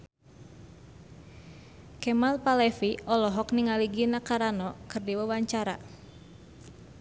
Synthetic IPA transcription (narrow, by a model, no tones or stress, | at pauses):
kɛmalpalɛfiʔɔlɔɦɔkniŋaliɡinakaɾanɔkɨrdiwəwaɲt͡ʃaɾa